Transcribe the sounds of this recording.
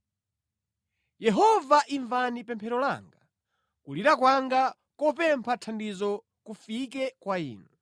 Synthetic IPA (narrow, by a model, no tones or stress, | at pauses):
jɛɦɔvaʔiɱvanipɛmpʰɛɾɔla̰ŋɡa | kuliɾakwaŋɡa | kɔpɛmpʰatʰandizɔ | kufikɛkwaḭːnɛ